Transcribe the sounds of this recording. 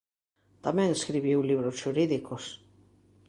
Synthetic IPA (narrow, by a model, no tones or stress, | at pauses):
t̪amɛ̃ŋeskɾiβiwliβɾosʃuɾiðikos